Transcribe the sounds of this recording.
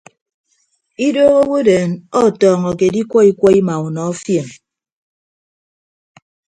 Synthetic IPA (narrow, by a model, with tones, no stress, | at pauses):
i˦doː˦ɣo˦wo˦deː˨nɔ˦˨tɔː˨ŋɔ˨ke˨di˦kʷɔ˦i˦kʷɔ˦i˦ma˨u˨nɔ˨ɔ˦fje˨m